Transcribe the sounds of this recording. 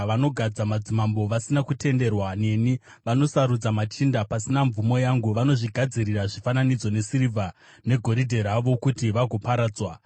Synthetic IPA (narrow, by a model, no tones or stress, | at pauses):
ʋano̞ɡʱad͡zamad͡zimambo̞ʋasinakute̞nde̞rwane̞ni | ʋano̞saɾud͡zamat͡ʃindapasinaɱvumo̞jaŋɡuʋano̞ʐiɡʱad͡ziriraʐifananid͡zo̞ne̞siɾivʱa | ne̞ɡʱo̞ɾidʱe̞ɾaʋo̞kutiʋaɡʱo̞paɾaːd͡zwa